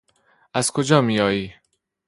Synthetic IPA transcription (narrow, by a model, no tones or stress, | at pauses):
æzkʰod͡ʒɒːmiːjɒːjiː